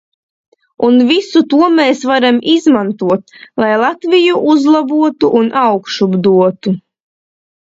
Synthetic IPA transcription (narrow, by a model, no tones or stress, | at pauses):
unvisut̪uɔmeːsvaɾamʔizmant̪uɔt̪̚lˠajlˠat̪vijuʔuzlˠabuɔt̪uʔːnʔawkʃubd̪uɔt̪u